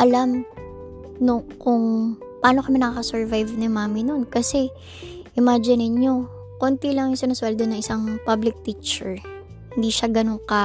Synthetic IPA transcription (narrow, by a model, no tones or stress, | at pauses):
ʔɐlam | nokʊŋpɐaːnokɐmɪnɐkaːkɐsɛɹvajvnɪmaːmɪnonkɐsɛ | ʔɪmaːd͡ʒɪnɪɲo̞ | kont̪ilɐŋjʊŋsɪnɐswɛld̪onɐŋʔɪsaŋpablɪk̚t̪iːt͡ʃɛɹ | hɪnd̪iːʃaɡɐnoŋkɐ